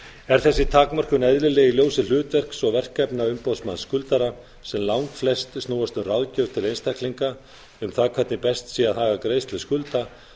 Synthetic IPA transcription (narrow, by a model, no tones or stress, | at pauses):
ɛɾ̥θɛsːɪt̪ʰaːkmar̥kʏnɛðlɪlɛɣiljoːwsɪl̥ʏːt̪vɛr̥ksɔvɛr̥kːɛpnaʏmpoðsmanskʏlt̪aɾa | sɛmlawŋkflɛst̪stnuːwast̪ʏmrawðcœɾ̥t̪ʰɪlejnst̪ʰakliŋka | ʏmθaðkʰvɛt̪nɪpɛst̪siːaðhaːɣakɾeːjst̪lɪskʏlt̪a